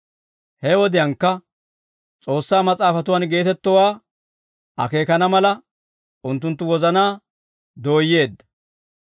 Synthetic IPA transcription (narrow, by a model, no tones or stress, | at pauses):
hɛwɔd̪ɪjɐŋkːɐ | t͡sʼo̞ːsːaːmɐt͡sʼaːfɐt̪ʊwɐnɡe̞ːt̪ɛt̪ːɔwaː | ɐ̰ke̞ːkɐnɐmɐlɐ | ʊnt̪̬ːʊnt̪ːʊwɔzɐnaː | d̪o̞ːjːe̞ːd̪ːɐ̥